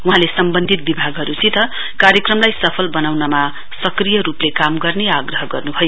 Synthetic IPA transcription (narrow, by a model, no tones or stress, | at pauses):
wuɦãlesʌmbʌnd̪ʱit̪̚bibʱaɡɦʌɾut͡sit̪ʌ | kaɾjʌkrʌmlajsʌpʰʌlbʌnawnʌma | sʌkrijʌɾuplekamɡʌrneaɡrʌɦʌɡʌrnubʱʌjo